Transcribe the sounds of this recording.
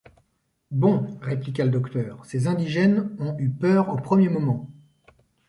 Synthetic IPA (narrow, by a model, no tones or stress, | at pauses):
bɔ̃ʁeplik̬aləd̪ɔkt̪œːʁsezɛ̃d̪iʒɛnɔ̃ypœʁopχəmjemɔmɑ̃